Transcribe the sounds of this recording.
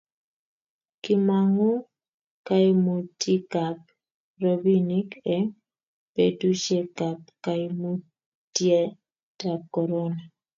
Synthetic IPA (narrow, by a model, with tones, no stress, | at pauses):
kɪ˦ma˨ŋo˦ | ka˦ɪ˦mo˨tʰi˦ka˨p̚ | ɾo˨bi˦ni˦kɛ˦ | pe˨du˦ʃje˦ka˨p̚ka˨i˦mu˦ | tje˦ | ta˨kɔ˨ɾɔ˦na˨